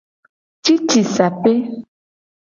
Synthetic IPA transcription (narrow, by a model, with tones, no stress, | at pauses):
t͡ʃi˦t͡ʃi˨sa˨pe˦